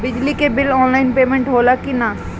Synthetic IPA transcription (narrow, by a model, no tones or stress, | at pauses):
bɪd͡ʒlikebɪlɔːnlaɪnpeːmẽɳʈɦoːlakina